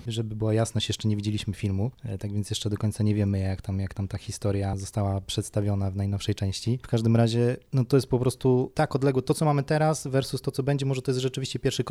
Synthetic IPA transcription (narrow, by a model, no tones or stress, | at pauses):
ʐɛbɘbɘwajasnɔɕt͡ɕjɛʂt͡ʂɛɲevʲid͡ʑelʲiɕmɘfʲilmut̪aɡvʲjɛnsjɛʂt͡ʂɛd̪ɔkɔɲʲt̪saɲɛvʲjɛmɘjakt̪amjakt̪amt̪axʲist̪ɔɾjazɔst̪awapʂɛt̪st̪avʲjɔnavnajnɔfʂɛjt͡ʂɛ̃w̃ɕt͡ɕifkaʐd̪ɘmɾaʑɛnɔt̪ɔjɛst̪pɔpɾɔst̪ut̪akɔd̪lɛɡwɔt̪ɔt̪sɔmamɘt̪ɛɾasvɛɾsust̪ɔtsɔbɛɲd͡ʑɛmɔʐɛt̪ɔjɛst̪ʐɛt͡ʂɘvʲiɕt͡ɕɛpʲjɛɾfʂɘk